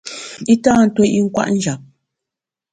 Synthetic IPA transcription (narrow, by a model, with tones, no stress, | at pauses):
i˦taː˦n̩˨˦two˦ʔi˦ŋ̩˦kwa̰˦ʔn̩˦d͡ʒa˨p̚